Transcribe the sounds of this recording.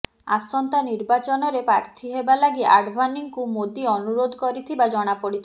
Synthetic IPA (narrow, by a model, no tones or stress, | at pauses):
a̰sɔnt̪aniɾbat͡ʃɔnɔɾepɾaɾt̪ʰiɦebalaɡiʔa̰ɖbʱaniŋkumod̪iɔnuɾod̪ʱɔkɔɾit̪ʰibad͡ʒɔɽ̃apɔɽit̪ʰi